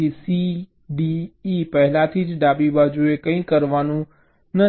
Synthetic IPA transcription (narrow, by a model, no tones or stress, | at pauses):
isi | ɖiːpɐɦɪlat̪ʰid͡ʒɖaːbibaːd͡ʒuekɐ̃ĩkɐɾʋaːnũ | nɐ